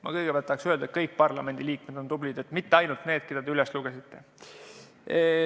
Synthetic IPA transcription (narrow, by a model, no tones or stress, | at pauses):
mɑ̰kɤjɡ̥epælt̪ːɑksøe̞ld̪ɑet̪̚kɤjk̚ːpɑrlɑ̰me̞nd̪iliːkme̞d̪̥o̞nt̪ublid̪̥e̞t̪mit̪ːeɑjnult̪ne̞ːd̪̥̚ked̪ɑd̪eylɛsluɡ̥esit̪ːe̞